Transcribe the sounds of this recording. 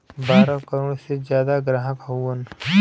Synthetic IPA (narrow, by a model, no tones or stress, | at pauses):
baːɾãkəɾoːɽsed͡ʒjaːd̪aɡɾaːɦəkɦoən